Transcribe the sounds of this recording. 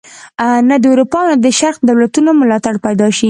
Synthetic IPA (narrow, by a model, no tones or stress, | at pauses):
nad̪əuɾupɑnad̪əʃaɾqd̪awlat̪unomʊlɑt̪aɽpajd̪ɑʃi